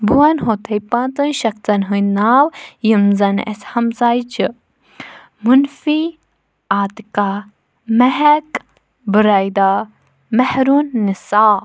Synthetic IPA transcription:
buɐnɦot̪ʰɐjpãːnt̪ɐnʃɐkt͡s̪ɐnɦɨjnaːwjimzɐnɛ̰shɐmzaːjt͡ʃɨ | munfi | aːt̪ka | mɛɦɛk | bɨɾajd̪aː | mɛhɾuːnːisaː

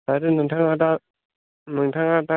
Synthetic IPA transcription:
aɾɯnɯŋtʰaŋata | mɯŋtʰaŋata

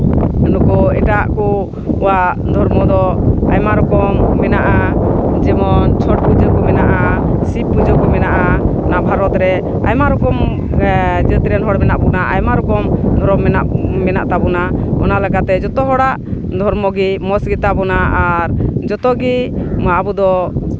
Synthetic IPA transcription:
unukɔɛ̰ʈaʔkɔː | waʔ | d̪ʱɔɾmɔd̪ɔa̰jmaɾɔkɔmːɛnaʔad͡ʒɛmɔnt͡ʃʰɔʈ̚pud͡ʒəkɔmɛnaʔaʔasip̚ːud͡ʒəkɔmɛnaʔanabʱaɾɔt̪ɾɛ | ajmaɾɔkɔm | d͡ʒɛt̪ɾɛnɦɔɽmɛnaʔbɔnaʔa̰jmaɾɔkɔmd̪ʱɔɾɔmːɛnaʔmɛna̰ʔt̪abɔnaɔ̰nalɛɡat̪ɛd͡ʒɔt̪ɔɦɔɽaʔd̪ʱɔɾmɔɡimɔsɡit̪abɔnaʔaɾd͡ʒɔt̪ɔɡimabud̪ɔ

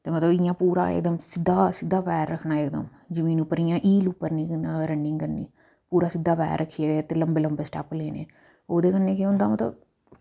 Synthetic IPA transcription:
t̪eːmət̪ləbɪjãːpuːɾa̰ːɪ̰kd̪əmsɪd̪ːaːsɪd̪ːaːpɛːɾːəkʰnaːekd̪ə̰m | d͡ʒəmĩːnʊpːəɾijãːʔiːlʊpːəɾnĩːɾəɳɖɪŋɡkəɾnḭː | puːɾaːsɪd̪ːaːpɛ̰ːɾːəkʰːieːt̪eːləmbeːləmbeːsʈɛːpleːnḛː | oːd̪eːkənːeːkɪʊ̃nd̪aːmət̪lə̰b

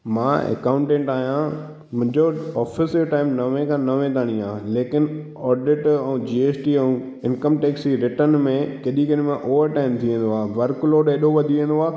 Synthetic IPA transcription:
mãːḛkãːʊ̃ɳʈẽːɳʈaːɦijã | mʊ̃ɦɪ̃ɲd͡ʑoɔːfɪsjoʈaːɪmnɐʋẽkʰãːnɐʋẽt̪ʰaːɽ̃ĩãːleːkɪnɪ | ɔːɖɪʈɛ̃ũd͡ʑiːeːsʈiũ | ɪ̃nkəmʈeːksiɾɪʈənmẽkɐɗikənmẽʔoːʋəɾʈaːɪmt̪ʰiẽːnd̪oaːɦʋɐɾkloːɖeːɗoʋɐd̪ʱiʋẽːnd̪oaː

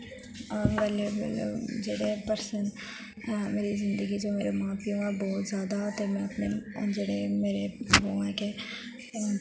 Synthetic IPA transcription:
ʋɛlebɪ̰l̰d͡ʒeːɽepəɾsən | meːɾizɪ̃nd̪əɡid͡ʒoːmeːɾemãːpijõabɔːt̪zjaːd̪at̪emɛ̃ɐpned͡ʒeːɽemeːɾeboʋãke

